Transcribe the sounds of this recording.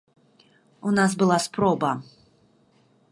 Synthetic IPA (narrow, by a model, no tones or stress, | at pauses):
unas̬bɨlˠaspɾɔbɐ